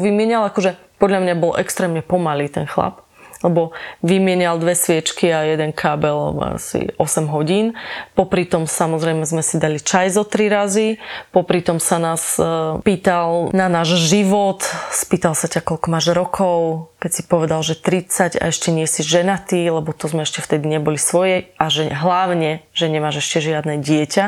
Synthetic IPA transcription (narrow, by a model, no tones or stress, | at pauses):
ʋimɪɛɲalakɔʒɛpɔd̪ʎamɲabɔlʔɛkst̪ɾɛːmɲɛpɔmaliːt̪ɛnxla̰p | lɛbɔʋimɪɛɲald̪ʋɛsʋɪɛt͡ʃkiajɛd̪ɛnkʰaːbɛla̰sḭɔsɛmɦɔɟiːnpɔpɾit̪ɔmsamɔzɾɛjmɛzmɛsid̪alit͡ʃajzɔt̪ɾiɾazipɔpɾit̪ɔmsanaːspiːt̪alnanaːʒʒiʋɔt̪spiːt̪alsacakɔlkɔmaːʒɾɔkʰɔʊkɛcsipɔʋɛd̪alʒɛt̪ɾit͡saɟa̰ɛʃcɛɲɪɛsiʒʒɛnat̪iːlɛbɔt̪ɔzmɛɛʃcɛft̪ɛd̪iɲɛbɔlisʋɔjɛaʒɛɦlaʊɲɛʒ̥ɛɲɛmaːʒɛʃcɛʒɪad̪nɛɟɪɛca